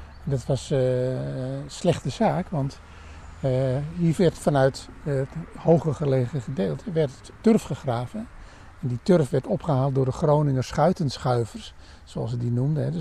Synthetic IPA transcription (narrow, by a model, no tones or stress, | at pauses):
ɛndɔtʋɑs | slɛχtəzaːkʋɑnt | ɦiːrʋɛrtfanœɥtthowχəχəleːɣəχədeːlˠtʰəʋɛrt | tørfχəχraːvə | ɛnditørfʋɛrtɔpχəɦaːlˠt̚dʊːrdəχrownɪŋəsχœɥtənsχœɥvərs | soɑ̰sədinumdəɦɛd